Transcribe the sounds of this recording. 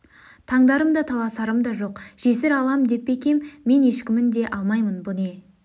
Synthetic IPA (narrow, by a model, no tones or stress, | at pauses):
t̪ʰɑɴd̪ɑɾəmd̪ɑt̪ʰɑlˠɑsɑɾəmd̪ɑʒo̞qʒ̥e̞sɪɾɑlˠɑmd̪e̞pːe̞kʲe̞mːe̞ne̞ʃkʲɪmɪnd̪e̞ʔɑlˠmɑjmənbʊne̞